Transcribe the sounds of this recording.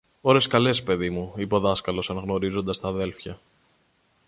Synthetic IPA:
o̞ɾe̞skɐle̞spe̞ðimuipo̞ðɐskɐlo̞sɐnɐɣno̞ɾizo̞nd̪ɐst̪ɐðe̞lfçɐ

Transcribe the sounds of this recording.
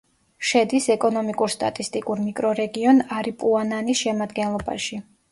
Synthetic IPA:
ʃɛd̪isɛkʼɔnɔmikʼuɾst̪ʼa̰t̪ʼist̪ʼikʼuɾmikʼɾɔɾɛɡiɔnaɾipʼuananisʃɛmad̪ɡɛnlˠɔba̰ʃi

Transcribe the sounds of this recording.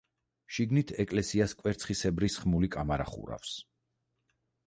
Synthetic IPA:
ʃiɡnit̪ʰɛkʼlɛsiaskʼwɛɾt̪sʰχisɛbɾisχmulikʼamaɾa̰χṵɾa̰fs

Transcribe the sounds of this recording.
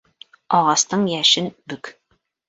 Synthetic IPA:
ɒʁɑst̪ɤɴjæʃɘnbɵk

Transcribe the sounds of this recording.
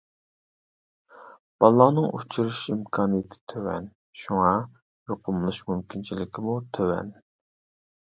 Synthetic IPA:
b̥ɑlˠːɑːnɨŋṵt͡ʃʰuɾuʃimkʰɑːnijet̪ʰɪ̥t̪ʰøwɛ̰n | ʃuŋɑ | joqʰʊmlˠuʃmymkʲʰint͡ʃʰilɪkʲʰɪmut̪ʰøwɛ̰n

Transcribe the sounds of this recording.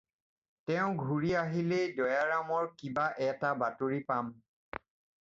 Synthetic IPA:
tɛʊ̃ɡʱuɹiaɦilɛdɔjaɹamɔɹkibaʔɛtabatuɹipam

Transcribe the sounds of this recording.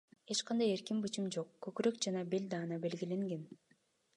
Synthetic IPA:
e̞t͡ʃqɑnd̪ɑje̞ɾkimbɯt͡ʃɯmd͡ʒo̞qkøkyɾøkd͡ʒɑnɑbe̞lʲd̪ɑːnɑbe̞lɡile̞ŋɡe̞n

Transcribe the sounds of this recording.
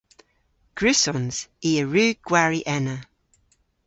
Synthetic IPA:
ɡ̥ɹʉsɔnz̥iəɹʉːɡ̥waɹiʔɛnə

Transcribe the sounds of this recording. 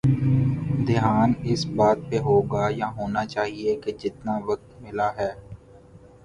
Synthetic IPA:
d̪ɪɦaːnɪsbaːt̪̚peɦoːɡaːjaɦoːnat͡ʃaːɦieked͡ʒɪt̪naʋɐk̚t̪mɪlaɦɛː

